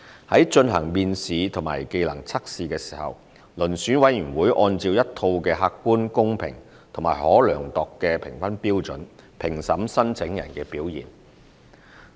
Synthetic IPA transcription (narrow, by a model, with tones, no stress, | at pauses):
hɐ˨˥jt͡ʃɵ˧nɦɐ˨˩ŋmiː˧nsiː˨˧t̪ʰʊ˨˩ma̰ː˨˩jke˧jlɐ̰˨˩ŋt͡sʰɐ˥k̚siː˨˧kɛː˧si̥ː˨˩hɐ̰˨w | lɵ˨˩nsyː˨˥nwɐ˨˥jyː˨˩nwuː˨˥jʔɔː˧nt͡siː˧wjɐ˥t̚t̪ʰo˧wkɛː˧ɦaː˧kːuː˥nkʊ˥ŋpʰɪ̰˨˩ŋ | t̪ʰŋma̰ː˨˩jhɔː˨˥lœː˨˩ŋt̪ɔː˨kːɛː˧pʰɪ˨˩ŋfɐ˥npiː˥wt͡sɵ˨˥npʰɪ˨˩ŋsɐ˨˥msɐ˥nt͡sʰɪ˨˥ŋjɐ̰˨˩nkɛː˧piː˨˥wjḭː˨˩n